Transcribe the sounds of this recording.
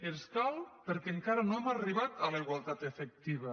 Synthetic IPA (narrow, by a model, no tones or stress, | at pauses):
eskalpeɾkeŋkaɾanoemariβat̪alaiɣwalˠt̪at̪efek̚t̪iβa